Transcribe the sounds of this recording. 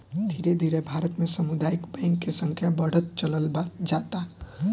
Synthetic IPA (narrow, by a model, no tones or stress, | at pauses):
d̪ʱiːɾed̪ʱiːɾebʱaːɾət̪mẽsɐmʊd̪aːɪkbɛ̃ːŋkːesə̃ŋkʰjabəɽ̤ət̪̚t͡ʃələld͡ʒaːt̪a